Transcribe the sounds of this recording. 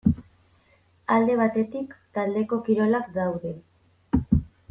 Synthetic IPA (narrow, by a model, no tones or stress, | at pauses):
ald̪e̞β̞at̪e̞t̪ikt̪ald̪e̞ko̞kiɾo̞lakɡawðe̞